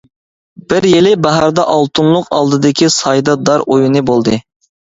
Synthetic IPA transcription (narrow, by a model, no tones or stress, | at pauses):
b̥ɪɾjelɪbæɦɑɾd̪ɑʔɑlˠt̪ʰunlˠʊqɑ̰lˠd̪ɨd̪ɨkʲʰisɑjd̪ɑd̪ɑɾojunɨbolˠd̪ɨ